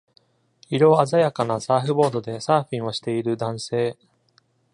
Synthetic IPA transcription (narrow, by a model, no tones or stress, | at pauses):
iɾo̞ːazajakanasaːɸɯ̟bo̞ːd̪o̞d̪e̞saːɸʲĩɰ̃o̞ɕi̥t̪e̞iɾɯ̟d̪ãɰ̃se̞ː